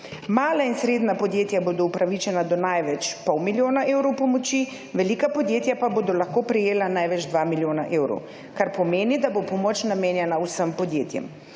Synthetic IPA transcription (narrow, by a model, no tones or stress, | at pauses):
maːlainsɾeːd̪napɔd̪jeːt̪jaboːd̪ɔupɾaʋit͡ʃɛnad̪ɔnajʋɛt͡ʃpɔwmiljoːnaʔewɾɔwpɔmɔt͡ʃi | ʋɛlikapɔd̪jeːt̪japaboːd̪ɔlaxkoːpɾɛjeːlanajʋɛd͡ʒd̪ʋamiljoːnaʔeːwɾɔ̰w | kaɾpɔmeːnid̪abopɔmot͡ʃnameːnjɛnausəmpɔd̪jeːt̪jɛ̰m